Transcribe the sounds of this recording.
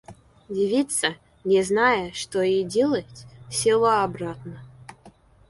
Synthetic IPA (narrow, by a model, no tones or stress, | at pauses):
dʲɪvʲit̪sə | nʲɛznajəʂt̪ojidʲelˠətʲsʲɪlˠoabɾat̪nə